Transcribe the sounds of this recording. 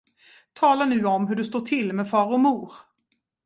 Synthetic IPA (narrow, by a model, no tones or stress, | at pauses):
t̪ʰɑːlaɳʉ̟ːɔmɦɵɖɵst̪oːʈʰɪlːmɛdfɑːɾɔmuːɾ